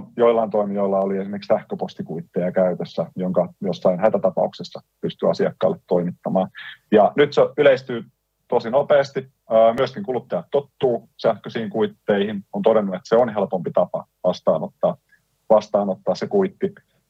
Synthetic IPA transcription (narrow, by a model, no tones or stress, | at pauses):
joilːɑint̪oimioilːɑoliesimerkiksæhkøpost̪ikuit̪ːejɑkæyt̪øsːæjoŋkɑjosːɑinhæt̪æt̪ɑpɑ̰uksesːɑpyst̪yɑsiɑkːɑ̰ːlːet̪toimit̪ːɑmɑːnjɑnyt̪seyleist̪yː | t̪osinopeːst̪i | əːmyøskiŋkulut̪ːɑjɑt̪tot̪ːuː | sæhkøsiːŋkuit̪ːeihinont̪odenːuet̪seonɦelpompit̪ɑpɑ̰ʋɑst̪ɑ̰ːnot̪ːɑː | ʋɑst̪ɑːnot̪ːɑːssekuit̪ːi